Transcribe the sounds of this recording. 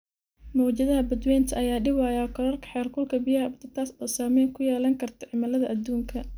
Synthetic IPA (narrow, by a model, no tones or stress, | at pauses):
mɔːt͡ʃɐðɐɦɐbɐd̪wɛːnt̪ʰɐʔɐjaːɖɪwɑːjɐkʰɔlɐrkʰɐ̥ħɛːlkʰʊlkʰɐbɪjɐɦɐbt̪ʰɐt̪ʰaːsɔːsaːmɛːŋkʰʊjɛːlɐŋkʰɐrt̪ʰɐʕɪmɐlɐðɐʔɐd̪ːuːŋkʰɐ